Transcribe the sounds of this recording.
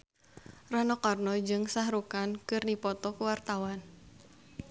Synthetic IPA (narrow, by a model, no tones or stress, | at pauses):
ranɔkarnɔd͡ʒɨŋsahɾukankɨrdipɔt̪ɔkuwart̪awan